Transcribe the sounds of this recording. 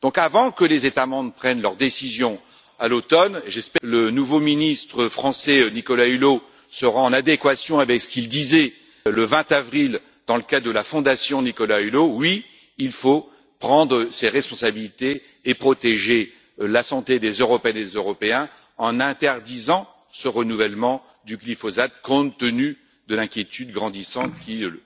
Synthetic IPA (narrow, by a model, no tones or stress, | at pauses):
d̪̥ɔ̃kavɑ̃kəlezet̪amɑ̃bʁpχɛnlœʁd̪esizjɔ̃ | alot̪ɔneʒɛspɛlənuvominist̪χəfχɑ̃sɛnikɔlaylo | səʁaɑ̃nad̪ekwasjɔ̃avɛksə̥kild̪izɛ | ləvɛ̃t̪avʁil | d̪̥ɑ̃ləkad̪əlafɔ̃d̪asjɔ̃nikɔlaylowi | ilfo | pχɑ̃d̪ʁəseʁɛspɔ̃sabilit̪eː | pχɔt̪eʒe | lasɑ̃t̪ed̪ezøʁɔpeɛned̪ezøʁɔpeɛ̃ | ɑ̃nɛ̃t̪ɛʁd̪izɑ̃ | səʁənuvɛlmɑ̃ | d̪yklifɔzat̪̚kɔ̃t̪ːəny | d̪əlɛ̃kʲjet̪ʰyd̪ɡʁɑ̃d̪isɑ̃t̪kʲi